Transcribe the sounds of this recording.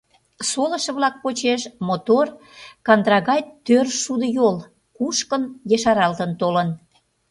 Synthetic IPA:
solə̆ʃə̆βlɑk̚pot͡ɕeʃmot̪or | kɑnd̪ɾɑɣɑjt̪ørʃud̪əjol | kuʃkənjəʃɑɾɑlt̪ənt̪olən

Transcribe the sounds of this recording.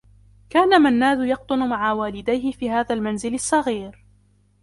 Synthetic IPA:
kaːnamanːaːzʊjɑq̚t̪ˤʊnʊmaʕawaːlɪd̪ajhɪfiːhaːðalmanzɪlɑsˤːɑɣiːɾ

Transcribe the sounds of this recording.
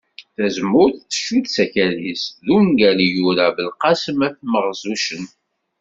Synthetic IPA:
θæzmːʊɾθθə̥ʃːuðsæçælisðunɡælijuɾavəlqɑsəmæθməʁzˤuʃən

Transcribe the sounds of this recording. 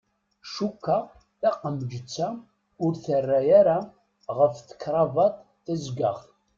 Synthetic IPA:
ʃukːa | θæqːəmd͡ʒət͡sːa | ʊɾθərːæjaɾa | ʁəfθə̥kːɾˤɑvɑt̪ˤ | θæzɡaʁ

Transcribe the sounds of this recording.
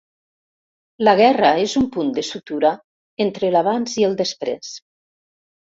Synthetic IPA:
ləɣ̞ɛraezumpund̪əsut̪uɾa | ent̪ɾəlaβ̞anziəlˠd̪əspɾḛs

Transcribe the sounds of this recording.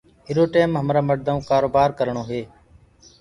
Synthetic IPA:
ɪɾoːʈeːmɦəmɾaːməɽd̪ãũːkaːɾoːbaːɾkəɾɳoːɦeː

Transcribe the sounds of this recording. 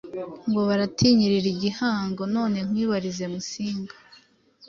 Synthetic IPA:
ŋɡo̞βaɾatʰiɲiɾiɾiɟihaːŋɡo̞no̞ːne̞ŋ̥wiːβaɾize̞musiːŋɡḁ

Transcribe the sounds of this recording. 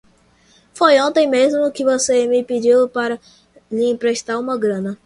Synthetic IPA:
fojõnt̪ẽj̃mezmʊkɪvosemɪpɪd͡ʒiwpaɾɐ | lɪẽpɾeʃt̪aɾũmɐɡɾɐ̃nɐ

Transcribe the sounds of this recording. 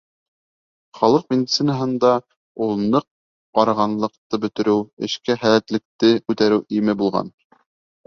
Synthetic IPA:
χɑlˠɤq̚mʲɪd̪ʲit̪sɘnəɦɤ̆nd̪ɑ | ulˠnɤq̚ː | ɑɾɑʁɑnlˠɤ̆qt̪ɤbɵ̆t̪ɘ̆ɾɘwɘ̰̆ʃkæχælæt̪lɘ̆k̚t̪ɘkʉt̪æɾɘwʔimɘbulˠʁɑ̰n

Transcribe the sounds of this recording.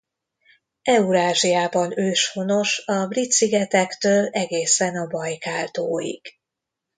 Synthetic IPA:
ɛuɾaːʒijaːbɒnøːʃfo̞no̞ʃɒbrit̪siɡɛt̪ɛkt̪øːlɛɡeːsɛnɒbɒjkaːlt̪oːjḭɡ̥

